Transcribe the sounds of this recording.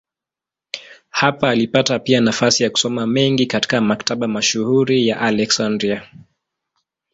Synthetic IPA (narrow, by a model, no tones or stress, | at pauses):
hapaːlipatapianafasijaku̥sɔmamɛŋɡikati̥kamakataɓamaʃuhuɾijaʔalɛksandɾia